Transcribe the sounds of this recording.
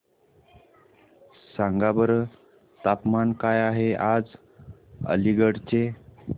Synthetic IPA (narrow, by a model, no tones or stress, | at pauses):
sãŋɡabəɾə | t̪apmankajaɦead͡z | ə̰liɡəɽt͡ɕe